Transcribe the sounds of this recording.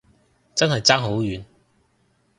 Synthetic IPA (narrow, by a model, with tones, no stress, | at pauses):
t͡sɐ˥nhɐ˨jt͡sa˥ŋɦo˨˥wjy˨˥n